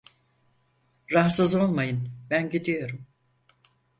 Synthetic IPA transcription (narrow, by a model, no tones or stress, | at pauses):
ɾaɦsɯzo̞lˠmajɯnbænɟid̪ijo̞ɾum